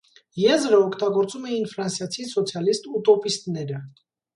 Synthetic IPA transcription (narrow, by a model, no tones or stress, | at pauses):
jɛzɾəɔkʰt̪ɑɡɔɾt͡sumɛjinfɾɑnsjɑt͡sʰisɔt͡sʰjɑlist̪ut̪ɔpist̪nɛɾə